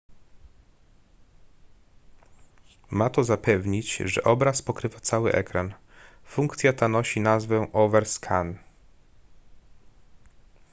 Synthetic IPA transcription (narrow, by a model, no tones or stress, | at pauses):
mat̪ɔzapɛvɲit͡ɕʐɛ̰ʔɔbɾaspɔkɾɘvat̪sawɘ̰ʔɛ̰kɾan | fuŋkt̪sʲjat̪anɔɕinazvɛ̃ʔɔvɛɾskʰan